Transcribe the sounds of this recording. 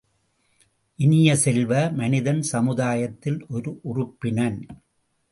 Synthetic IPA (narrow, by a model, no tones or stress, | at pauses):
ʔɪnɪjɐsɛlʋɐmɐnɪðɐnsɐmɯðaːjɐt̪ːɪlʔɔɾɯʔʊrʊpːɪnɐn